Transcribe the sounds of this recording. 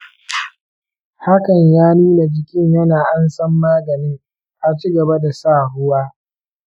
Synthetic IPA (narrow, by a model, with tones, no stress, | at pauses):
ha˦kɐ˨ɲjaː˦nuː˦na˨d͡ʒɪ˦kʲɪ˦ɲjɐ˦naː˨ʔa˦nsɐ˦mːaː˦ɡɐ˨ni˦ŋ | ʔa˨t͡ʃi˦ɡɐ˨ba˦da˨saː˦˨ɦʊ˦waː˦